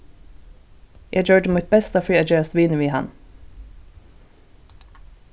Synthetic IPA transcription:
jæɪd͡ʒøːɖəmuːt̪̚bɛst̪ɑːfɹiːæd͡ʒeːsʋiːnʉiːhɑ̰n

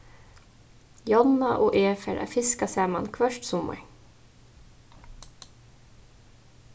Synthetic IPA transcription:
jɔnːaʔoːʔeːfɛɾʔa̰fɪskasæːmankʰʋœʃt̪sʊma̰

